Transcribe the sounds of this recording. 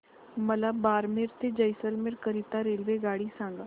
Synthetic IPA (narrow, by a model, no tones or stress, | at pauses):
məlabaːɾmeɾt̪ed͡ʒəjsəlmeɾkəɾiːt̪aːɾeːlʋeːɡaːɽiːsãːŋɡa